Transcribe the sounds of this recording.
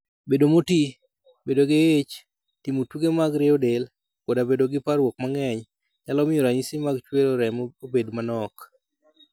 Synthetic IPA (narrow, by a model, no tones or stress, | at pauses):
bedomoti | bedoɡeet͡ʃ | timotuɡemaɡɾɪodel | kodabedoɡɪpaɾwokmaŋɛɲ | ɲalɔmɪjɔɾaɲisɪmaɡt͡ʃweɾoɾɛmobedmanɔk